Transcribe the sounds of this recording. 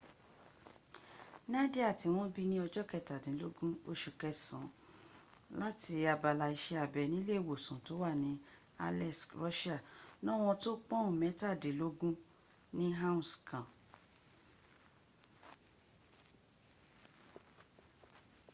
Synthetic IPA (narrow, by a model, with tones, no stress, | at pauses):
nĩ˦a˦de˦a˦˨ti˨˦w̃ɔ̃˦bi˦nĩ˦ɔ˧d͡ʒɔ˦kɛ˦˧ta˨dĩ˨˦lo˦ɡũ˦o˦ʃu˧˨kɛ˧sã˨˦ | la˦ti˧˦a˧ba˧la˧i˧ʃɛ˧a˨bɛ˨nĩ˨˦le˦i˨wo˨sũ˨to˨˦wa˦˨nĩ˨˦ | a̰˧lɛ˦˨sɾɔ˦ʃa˦˨nɔ̃˦w̃ɔ̃˧to˦k͡pɔ̃˦ũ˦˨mɛ̃˨˦ta˦˨dẽ˨˦lo˦ɡũ˦ | nĩ˦ɦa˦ũ˨skã˨